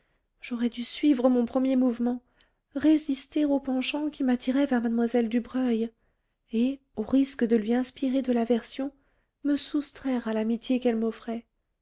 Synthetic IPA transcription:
ʒ̥ɔʁɛd̪ysɥivʁəmɔ̃pχəmjemuvmɑ̃ | ʁezist̪eʁopɑ̃ʃɑ̃kʲimat̪ʰiʁɛvɛʁmad̪mwazɛld̪ybʁœj | e | oʁiskd̪əlɥiɛ̃spiʁed̪əlavɛʁsjɔ̃ | məsust̪χɛʁalamit̪jekɛlmɔfχɛ

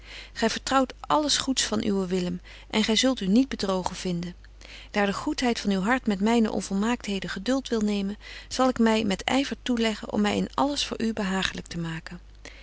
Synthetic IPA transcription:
χɛjvəɹtrɑwtʔɑləsχutsfɑnʔy̰ʋəʋɪləm | ʔɛnχɛjzɵlˠtynid̚bədrowχənv̥ɪndən | d̥aːɹdəχutɦɛjtfɑnywɦɑɹtmɛtmɛjnə̰ʔɔ̰nvɔlˠmaːk̚tɦejdəχədɵlˠtʋɪlˠnejmənz̥ɑlˠɪkmɛjmɛtɛ̰jvəɹtulɛχə̰nʔɔ̰mːɛjɪ̰nɑ̰ləsfʊ̰ːɹʔybəɦaːχələk̚təmaːkən

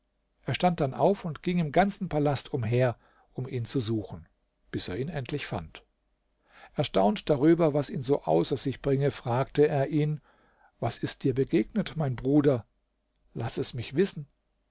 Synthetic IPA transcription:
ʔeːɐʃtant̚d̥anʔaʊfʊntɡ̥ɪŋɪmɡant͡sn̩pʰalastʰʊmɦeːɐ | ʔʊmʔiːnt͡suzuːxn̩ | b̥ɪseːɐiːnɛntʰlɪçfa̰nt | ʔɛɐʃtaʊntd̥aʁyːbɐvasiːnzoːʔa̰ʊsɐzɪçb̥ʁɪŋəfʁ̥aːk̚təeːɐʔiːn | vasɪst̚d̥iːɐbəɡeːɡnətmaɪnbʁuːdɐ | lasɛsmɪçv̥ɪsn̩

